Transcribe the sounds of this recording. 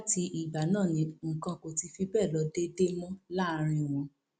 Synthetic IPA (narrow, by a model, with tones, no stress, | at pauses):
la˦ti˧ʔi˨ɡ͡ba˨nãː˦˨nĩ˧ŋ̩˨kã˧ko˨ti˧fi˧bɛ˦˨lɔ˨˦de˦de˦mɔ̃˦la˦˧ɾ̃ĩ˧w̃ɔ̃˧